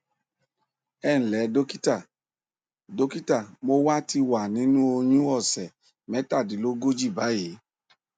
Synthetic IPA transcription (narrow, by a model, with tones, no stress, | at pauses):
ɛ˦˨ñ̩˨lɛ˨˦do˦ki˦ta˨ | do˦ki˦ta˦˨mo˦wa˦ti˧wa˨nĩ˨˦nũ˦o˧ɲũ˦ɔ˦˨sɛ˨ | mɛ̃˨˦ta˦˨di˨˦lo˦ɡo˦d͡ʒi˦˨ba˨˦je˨˦